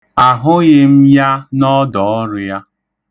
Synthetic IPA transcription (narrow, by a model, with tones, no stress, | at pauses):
a˨ɦʊ˦ɣɪ˦m̩˦ja˦nɔ˦dɔ˨ɔ˦ɾʊ˦ja˦